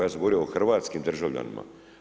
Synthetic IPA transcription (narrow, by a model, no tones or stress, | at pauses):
jaːs̬eɡooɾiooxrʋaːt̪skimd̪rʒaʋʎa̰nḭma̰